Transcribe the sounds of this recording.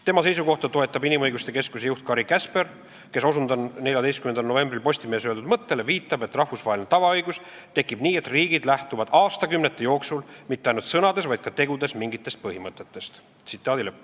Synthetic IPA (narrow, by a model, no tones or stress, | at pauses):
t̪emɑse̞jsuko̞ht̪ɑt̪o̞e̞t̪ˑːɑbinimɤjɡust̪e̞ke̞skuse̞juht̪̚kɑɾikæsper | ke̞so̞sund̪ɑnne̞lʲjɑd̪e̞jst̪kymend̪ɑlno̞ve̞mbrilpo̞sʲt̪ime̞ːsøeld̪ud̪mɤt̪ːe̞leviːt̪ːˑɑbe̞t̪ːˑrɑhfusvɑːɦelinet̪ɑvɑɤjɡus | t̪e̞kːˑib̥niːet̪riːɡid̪̥læht̪uvɑd̪̥ɑːst̪ɑkymnet̪ːˑejo̞ːksulmit̪ːeɑjnut̪sɤnɑd̪e̞svɑjd̪̥kɑt̪e̞ɡ̥ud̪e̞smiŋɡit̪ːˑest̪̚pɤhimɤt̪ːˑe̞t̪ːe̞st̪ | sit̪ːˑɑːd̪ilep